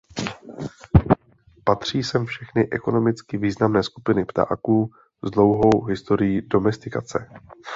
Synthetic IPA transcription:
pat̪r̝̥iːsɛmfʃɛxnɪʔɛko̞no̞mɪt͡skɪviːznamnɛːskupɪnɪpt̪a̰ːkuː | zdlo̞wɦo̞wɦɪst̪o̞ɾɪjido̞mɛst̪ɪka̰t͡sɛ̰

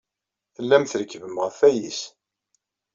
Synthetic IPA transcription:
θəlːæmθɾəkːvəmʁəfæjis

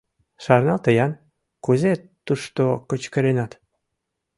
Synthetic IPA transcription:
ʃɑrnɑt̪əjɑn | kuzet̪ːuʃt̪okət͡ɕkə̆ɾenɑt̪

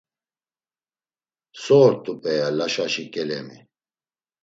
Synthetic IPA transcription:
sɔːɾt̪ʼupʼɛjalaʃaʃikʼɛlɛmi

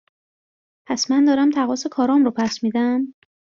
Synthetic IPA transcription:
pʰæsmænd̪ɒːɾæmt̪ʰæɣɒːsekʰɒːɾɒːmɾopʰæsmiːd̪æm

